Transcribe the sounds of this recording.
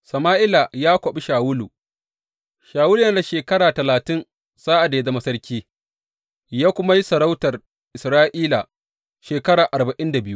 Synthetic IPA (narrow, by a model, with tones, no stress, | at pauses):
sɐ˨maː˦ʔɪ˦la˨jaː˦kʷɐ˨ɓi˦ʃaː˨wʊ˦lṵ˨ | ʃaː˨wʊː˦lu˨na˦da˨ʃeː˨kɐ˦ɽaː˨tɐ˨laː˨tɪ˦n | saː˦ʔa˨dda˨mɐ˦sɐ˦rkʲiː˦ | jaː˦kʷʊ˦ma˦ji˦sɐ˨ɾa˦wtɐ˨r | ʔɪ˨sɾaː˦ʔiː˦la˨ | ʃeː˨kɐ˦ɽaː˨ʔa˨ɾba˨ʔɪ˦nda˨bɪ˦ju˦